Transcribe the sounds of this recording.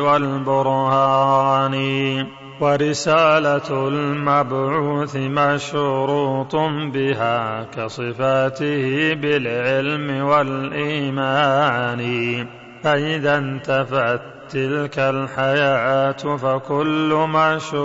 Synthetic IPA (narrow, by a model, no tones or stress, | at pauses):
walbʊɾhaːni | waɾɪsaːlalmabʕuuːθɪmaʃʊɾuːt̪ˤbɪɦaːkɑsˤɨfaːt̪ɪhɪbɪlʕɪlmɪwalʔiːmaːnɪ | faʔɪðant̪afaʕat̪ːɪlkalħajaːʔaːt̪fakʊlːʊmaʃʊ